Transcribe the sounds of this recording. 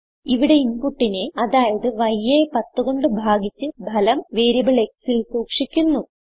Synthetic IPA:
iʋiɽe̞inɡuʈːineɐðaːjɐðɨʋɐjːepɐt̪ːuɣo̞ɳɖɨbʱaːɡit͡ɕːɨbʱɐlɐmʋeːɾibiɭek̚silsuːkʂikʲːunːu

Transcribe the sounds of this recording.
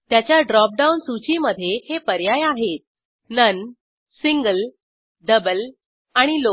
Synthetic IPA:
t̪jat͡ɕjaɖɾɔp̚ɖaunsut͡ɕiməd̪ʱːjehepəɾjajaɦet̪̚ | nən | siŋɡəl | ɖəbəl | aɽ̃ilo

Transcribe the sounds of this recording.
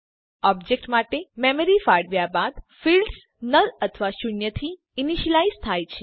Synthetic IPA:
ɔb̚d͡ʒek̚ʈmaʈememəɾifaɽʋjabad̪filɖs | nələt̪ʰəʋaʃʊɳjət̪ʰi | iniʃəlaizt̪ʰajt͡ʃʰe̥

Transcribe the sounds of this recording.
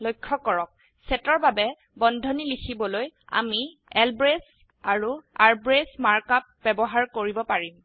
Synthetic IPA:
lojkʰːɔkɔɹɔk̚ | sɛtɔɹbabɛ | bɔndʱɔnilixʰibɔloja̰mi | ɛlbɹes | aɹuaɹbɹesmaɹkap̚bɛbɔɦaɹkoɹibɔpaɹim

